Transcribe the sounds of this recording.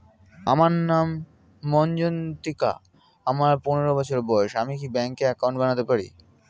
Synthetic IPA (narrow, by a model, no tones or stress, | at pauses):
a̰maɾnamː | ɔnd͡ʑont̪ika̰ | amaɾponeɾobɔt͡ɕʰoɾebɔeʃamik̬ibɛŋkeɛkaw̃ɳʈbañat̪epaɾḭ